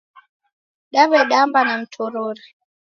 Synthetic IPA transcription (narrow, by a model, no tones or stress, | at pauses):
ɗaβɛɗambanam̩tʰɔɾɔɾa